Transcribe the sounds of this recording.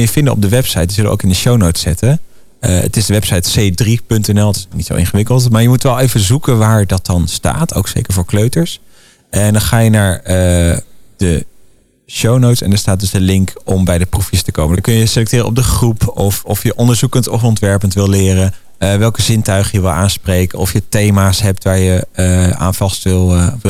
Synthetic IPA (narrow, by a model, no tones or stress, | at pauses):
jəvɪndəɔ̰b̚dəʋɛpsɑjtʋəzɵləʔo̰wkɪndəʃownowtsɛtə | ə̰tɪzdəʋɛpsɑjtsejdripɵntɛnɛlˠtɪsnnitso̰wʔɪ̰̃nχəʋɪkəlˠtmaːɹjəmutʋɛlˠejvəzukənʋaːɹdɑt̚dɑnsta̰ːtʰo̰wksḛjkəɹvʊːɹkløɥtəɹs | ɛndɑnχaːjənaːɹə | d̥ə | ʃownowtsɛ̰ndɑnstaːt̚dɵsdəlɪŋkɔmbɛjdəprufjəstəkowməkɵnjəjəselɛk̚tɪːrənɔ̰b̚dəχrupɔfɔfjəʔɔndəɹzukəntɔfɔntʋɛɹpəntʋɪlˠlɪːrə | əʋɛlˠkəzɪntœɥχəjəʋɪlˠʔaːnsprejkənɔfjətejmaːsɦɛp̚tʋaːɹjəa̰ːnvɑstʋɪlˠ